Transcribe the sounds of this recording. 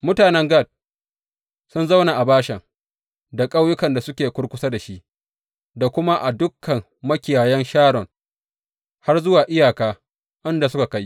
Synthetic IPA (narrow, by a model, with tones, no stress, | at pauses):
mʊ˦taː˨nɛ˦ŋɡa˦˨d̚ | sʊ˦nza˦wna˨ʔa˨baː˦ʃɛ˨ŋ | da˨kʼa˦wjʊ˦kɐ˨nda˨sʊ˦kʲeː˨kʷʊ˦ɽkʷʊ˦sa˦da˨ʃi˦ʔ | da˨kʷʊ˦ma˦ʔa˨dʊ˦kːɐ˨m | mɐ˦kʲɪ˨jaː˨jɛ˦nʃaː˦ɽɔ˨ŋ | ha˦rzʊ˦waː˨ʔɪ˦jaː˨kaː˦ | ʔɪ˦nda˨sʊ˦ka˨ka˦j